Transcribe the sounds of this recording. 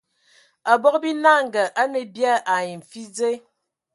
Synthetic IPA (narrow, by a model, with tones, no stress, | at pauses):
a˨bɔ˦kbi˦na˦ŋ˨ɡə˨ʔa˦ne˨bja˦ʔa˨ji˨ɱ̩˨fi˦d͡ze˦